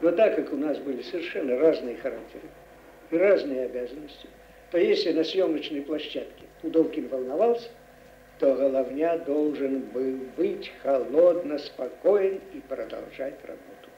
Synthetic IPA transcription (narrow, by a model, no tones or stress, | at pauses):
nɔt̪akjɐkunasbɨlʲisəvʲɛrʂɛnːɐraznɨjəxɐɾak̚t̪ɛɾɨ | iraznɨjɐabʲazɐnəsʲt͡sʲi | t̪ɔjesʲlʲinɐsʲjɔmnət͡ʂnɨjplˠaɕːat̪kʲi̥ud̪ɔwkʲinʲvɐlˠnavalˠsʲɐ̥ | t̪ɔɣɐlˠawnʲad̪ɔlˠʐɨnbɨwbɨt͡sʲxalˠɔd̪nɐspakɔjɛnipɾɐd̪a̰lˠʐat͡sʲra̰bɔt̪u̥